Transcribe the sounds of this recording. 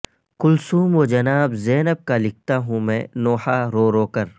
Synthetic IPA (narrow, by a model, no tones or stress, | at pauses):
kʊlsuːmoːd͡ʒɐnaːbzɛːnəb̚kalɪk̚ʰt̪aɦũmɛ̃ːnoːħaɾoːɾoːkəɾ